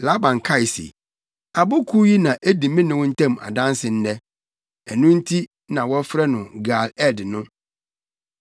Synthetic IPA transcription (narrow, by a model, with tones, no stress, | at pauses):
la˦bã˨ŋkʰa˦ɪ˨sḛ˨ | a˨bʊ˦kʰu˦ji˦nã˨ʔe˦di˨mɪ̃˦nɪ̃˨wɔ̃˦n̩˦tʰɛ̃˦˨ma̰˨dã˦n˦sɪ˨n̩˦nɛ˦ | ɛ˨nʊ̃˦n̩˦tʰi˦ | nã˨wɔ˦fɾɛ˦nʊ̃˨ɡa˨lɛ˦dɪ˨nʊ̃˦